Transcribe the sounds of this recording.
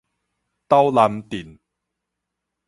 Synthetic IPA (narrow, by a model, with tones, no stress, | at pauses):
t̪a˥˦wla˧mt̪i˨˩n